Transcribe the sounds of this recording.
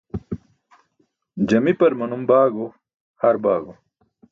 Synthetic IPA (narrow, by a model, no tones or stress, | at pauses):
d͡ʑɐmipɐɾmɐnumbaːɡo | hɐɾbaːɡo